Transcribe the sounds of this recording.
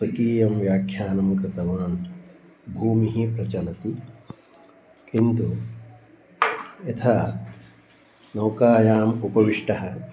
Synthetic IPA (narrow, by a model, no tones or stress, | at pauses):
swɐkiːjɐmʋjaːkʰjaːnɐmkɾɪt̪ɐʋaːn | bʱuːmiɦipɾɐt͡ʃɐlɐt̪i | kint̪u | et̪ʰɐ | nɐwkaːjaːmupɐʋiʂʈɐɦɐ̆